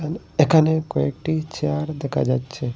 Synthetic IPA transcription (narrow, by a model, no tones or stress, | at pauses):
an | ekʰanekɔek̚ʈit͡ʃeaɾd̪ɛkʰa̰d͡ʒatːt͡ʃʰe